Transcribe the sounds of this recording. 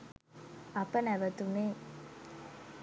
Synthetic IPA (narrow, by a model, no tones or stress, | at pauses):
ɐpənæʋət̪une